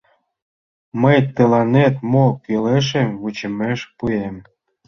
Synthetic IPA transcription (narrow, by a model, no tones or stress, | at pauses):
məjt̪əlɑnet̪mokyleʃ̬emβut͡ɕə̆meʃpujem